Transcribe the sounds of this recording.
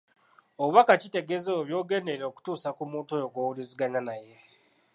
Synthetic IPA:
oβuβakacite̞ɡe̞zeoβjo̞ːɡe̞neɾeoku̥tuːsakumuːntojo̞ɡowuliziɡaɲanaje̞

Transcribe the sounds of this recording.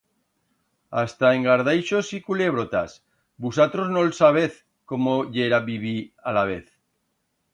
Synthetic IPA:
ast̪aeŋɡaɾðajʃosikuleβ̞ɾot̪as | busat̪ɾoznolsaβ̞eθ | komoʎeɾaβiβialaβ̞e̞θ

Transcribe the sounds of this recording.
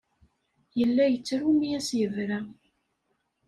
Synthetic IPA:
jəlːæjət͡sːɾumijæsjəvɾæ

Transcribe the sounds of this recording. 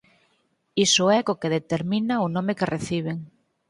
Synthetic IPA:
isoɛkokeðet̪eɾmĩnaonõmekereθiβ̞eŋ

